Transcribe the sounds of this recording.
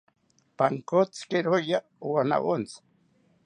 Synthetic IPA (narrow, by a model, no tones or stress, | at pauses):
paŋkot͡skeɾoja | wana̰ʔont͡s